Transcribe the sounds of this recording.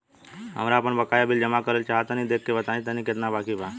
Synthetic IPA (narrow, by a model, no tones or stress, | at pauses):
ɦə̰mɾaːpəɳbəkajabild͡ʒəmakəɾelt͡ʃaɦat̪anid̪ekːebət̪anĩt̪aniket̪nabakibʱa